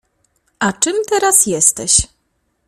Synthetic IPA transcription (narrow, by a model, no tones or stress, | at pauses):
ʔat͡ʂɘmt̪ɛɾasjɛst̪ɛɕ